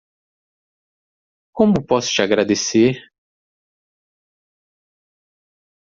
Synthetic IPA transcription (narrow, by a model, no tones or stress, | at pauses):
kõmʊpɔsʊ̥t͡ʃiaɡɾad̪eseɾ